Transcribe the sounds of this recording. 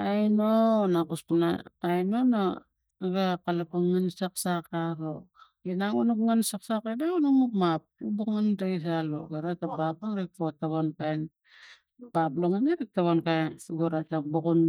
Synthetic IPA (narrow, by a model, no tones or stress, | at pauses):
ajnonakuspunaːjnono | ɡakalapaŋansaksakaɾo | inaŋunukŋansak̚sakedaunuknukmap̚ubukŋandais̬aloɡaɾatabapaŋɾik̚totaβonkajn | baploŋaneɾik̚taβonkajnuɡoɾatakbukun